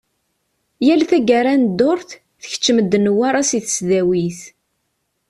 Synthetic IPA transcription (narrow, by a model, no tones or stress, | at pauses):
jælθæɡaɾˤænd̪ːʊɾθ | θəç̥t͡ʃːəməd̪ːnwaɾˤasiθə̥sðæwiθ